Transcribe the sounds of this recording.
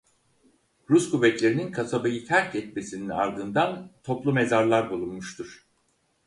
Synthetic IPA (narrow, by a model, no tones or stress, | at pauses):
ɾuskʰuvɛt̪lʲe̞ɾininkʰasabajit̪ʲʰæɾcɛt̪̚me̞sinina̰ɾd̪ɯnd̪ant̪ʰo̞plˠume̞zaɾlˠaɾbulˠunmuʃt̪ʰuɾ̥